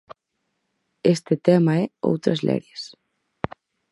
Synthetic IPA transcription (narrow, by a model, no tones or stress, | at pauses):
est̪et̪ɛmaɛo̰wt̪ɾɐzlɛ̰ɾjes